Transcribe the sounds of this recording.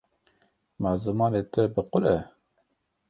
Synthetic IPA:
mɑːzɨmɑːnet̪ʰɛbɨqʊlɛ

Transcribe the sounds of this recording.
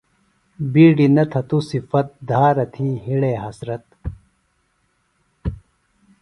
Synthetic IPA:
biːɖinɐt̪ʰɐt̪usifɐt̪̚d̪ʱaːɾɐt̪ʰiɦiɽeːɦɐsɾɐt̪̚

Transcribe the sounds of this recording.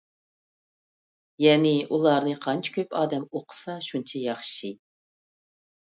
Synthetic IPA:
jɛːnɪʔulˠɑɾnɨqʰɑnt͡ʃʰi̥kʲʰøpʰɑːd̪ɛmoqʰə̥sɑʃunt͡ʃʰɛjɑχʃi

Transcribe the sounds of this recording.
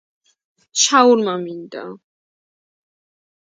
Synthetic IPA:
ʃauɾmamind̪a̰

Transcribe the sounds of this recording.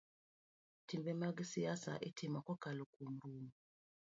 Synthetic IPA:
timbɛmaɡisijasa̰ʔitʰimakɔkalukum̩ɾumu

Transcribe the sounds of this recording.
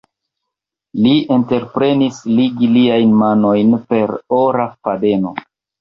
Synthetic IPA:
liente̞ɾpɾe̞nisliɡiliajnmano̞jnpe̞ɾoɾafade̞no

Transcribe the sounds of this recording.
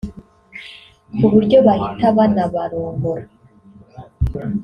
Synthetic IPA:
kuβuɾɟo̞βahitaβanaβaɾoːŋɡoɾa

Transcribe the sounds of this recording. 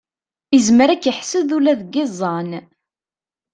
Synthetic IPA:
izməɾækːəħsəðulæðɡɪzˤːɑn

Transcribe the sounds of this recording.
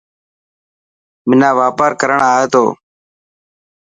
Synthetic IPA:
mɪnãːʋaːpaːɾkəɾəɳaːɦeːt̪o̰ː

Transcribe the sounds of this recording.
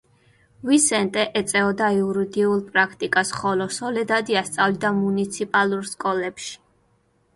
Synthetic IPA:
visɛnt̪ʼɛʔɛt̪sʼɛɔd̪aiuɾid̪iulˠpʼɾakʰt̪ʼikʼasχɔlɔsɔlɛd̪ad̪iast̪sʼavlid̪amunit̪sʰipʼalˠuɾskʼɔlɛpʃi̥

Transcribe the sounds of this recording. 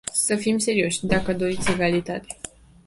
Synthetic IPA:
səfimse̞ɾio̞ʃʲd̪akəd̪o̞ɾit̪sʲeɾealit̪a̰t̪e

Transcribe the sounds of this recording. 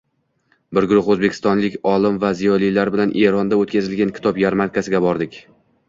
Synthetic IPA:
bɪɾɡʊɾʊχɵzbe̞kʲʰɪ̥st̪ɒnlɪkʲɒlɪmvazijɒlˠijlaɾbɪlanʔe̞ɾɒnd̪aot̪̚kʲʰazɪlɡʲankʲʰɪ̥t̪ʰɒpjaɾmankʰʲasɪɡʲabɒɾd̪ɪkʲ

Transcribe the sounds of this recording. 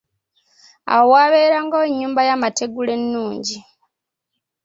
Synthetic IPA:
a̰wowaβeːɾaŋɡaweɲːuːmbajamate̞ɡule̞nːuːɲɟi

